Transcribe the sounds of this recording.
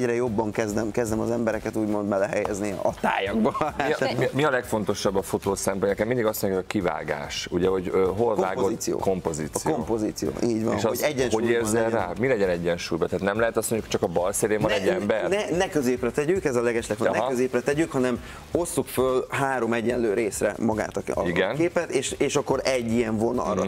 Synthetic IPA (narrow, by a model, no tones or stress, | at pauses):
ɟɾɛjo̞bːɒŋkɛzd̪ɛmkɛzd̪ɛmɒ̰zɛmbɛɾɛkɛt̪uːɟmo̞nd̪mɛlɛɦɛjɛzniɒt̪a̰ːjɒɡbɒimimiɒlɛkfo̞n̪t̪o̞ʃɒbːɒfot̪oːsɛmponɛkɛmːind̪iɡɒsmoɲukːkiva̰ːɡa̰ːʃuɟɛɦo̞ɟøɦolaːɡotisijo̰ːko̞mpoziːt̪ːsikom̰ːpoziːt̪sḭjo̰ːʔiːɟʋɒ̰nʃoɛɟːɛnʃhujeːrzɛlraːmilɛɟɛnɛɟːɛnʃuːjbɒt̪ɛɦaːt̪nɛmlɛɦɛt̪ɒstmoɲɟukt͡ʃɒkɒbɒlseːleːmɒnɛɟːɛmbɛrnɛnɛkøzeːprɛt̪ɛɟykɛzɒlɛɡɛʃlɛkfonnøzeːprɛt̪ɛɟykhɒnɛm | o̞sːukfølɦaːɾo̞mɛɟːɛnløːɾeːsrɛ̰mɒɡa̰ːt̪ɒɒ̰iɡɛnkeːpɛt̪eːʃeːʃɒkːo̞ɾɛɟːijɛɱvo̞nɒ̰lrɒ̰